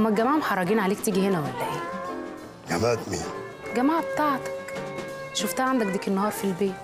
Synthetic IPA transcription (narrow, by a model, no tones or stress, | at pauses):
mːæɡæmaʕmħɑrˤːɑɡiːnʕaleːk̚t̪iːɡihenæwæbæʔeː | ɡæmæt̪mḭː | ɡæmaːʕb̚t̪ˤɑʕt̪ɑ̥k | ʃoft̪æʕand̪ækd̪ækenːɑhɑːɾˤfilbeːt̪